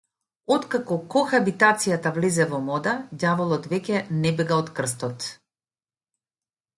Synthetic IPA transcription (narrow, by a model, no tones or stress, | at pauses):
ɔt̪kakɔkɔxabit̪at̪sijat̪avlizɛvɔmɔd̪aɟavɔlˠɔt̪vɛcʲɛnɛbɛɡaɔt̪kr̩st̪ɔt̪